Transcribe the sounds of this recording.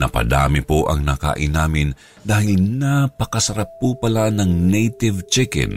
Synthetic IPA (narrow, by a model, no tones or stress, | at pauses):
nɐ̰pɐ̰d̪a̰ːmɪpoʔɐ̰ŋnaka̰ʔɪnaːmɪn | d̪aːhɪlnapɐkɐsɐɾapːupɐlanɐŋnejt̪ɪvt͡ʃɛkɛ̰n